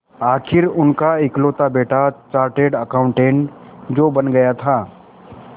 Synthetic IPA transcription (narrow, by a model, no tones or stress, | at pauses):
aːkʰɪɾʊnkaɪkloːt̪abeːʈat͡ʃaːɾʈeːɖəkaːʊ̃ɳʈẽːɳd͡ʒoːbɐnɡɐjat̪ʰaː